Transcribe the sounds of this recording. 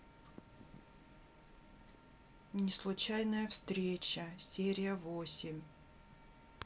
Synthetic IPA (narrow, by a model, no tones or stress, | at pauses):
nʲɪslˠʊt͡ɕajnəjəfst̪ɾʲet͡ɕəsʲeɾʲɪjəvosʲɪmʲ